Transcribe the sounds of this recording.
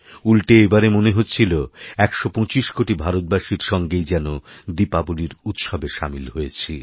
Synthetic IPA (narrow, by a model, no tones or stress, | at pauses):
ulʈeebaɾemoneɦotːt͡ɕʰiloɛkʃopɔ̃t͡ɕiʃkoʈibʱaɾot̪̚baʃiɾʃɔŋɡejd͡ʑɛnod̪ipaboliɾut̪ʃɔbeʃamilɦojet͡ɕʰi